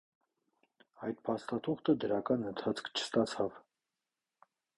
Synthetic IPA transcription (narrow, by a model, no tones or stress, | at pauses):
ɑjt̪̚pʰɑst̪ɑt̪ʰuχt̪əd̪əɾɑkɑnənt̪ʰɑt͡sʰkʰt͡ʃʰə̥st̪ɑt͡sʰɑv